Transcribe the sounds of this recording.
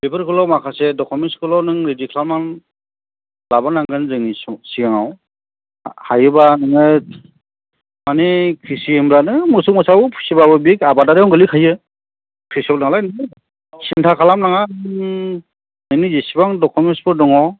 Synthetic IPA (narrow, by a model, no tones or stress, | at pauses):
bebɯɾkʰɯlɔwmakʰasedɔkʰɔmenskʰɯlɔnɯŋɾedikʰlalman | labanaŋɡɯnzɯnissiaŋaw | hajɯbanɯŋɯ | manikʰisiembɾanɯmɯsumɔsawɯpʰu̥sibabɯbikabadaɾajɔŋɡɯlikʰajɯ | kʰɾisɔk̚naŋlajn | sintʰakʰalamnaŋanɯŋ | nɯnizesibaŋdɔkʰɔmenspɯɾdɔŋɔ